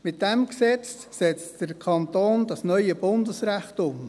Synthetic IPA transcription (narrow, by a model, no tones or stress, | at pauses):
mɪt̚d̥ɛmksɛt͡sː | ɛt͡std̥əɾkʰɑntoːnd̥ɑsnœʏəb̥ʊndəsɾæχtʊm